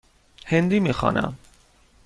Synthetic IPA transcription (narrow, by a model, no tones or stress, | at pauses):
hend̪iːmiːxɒ̰ːnʔæ̰m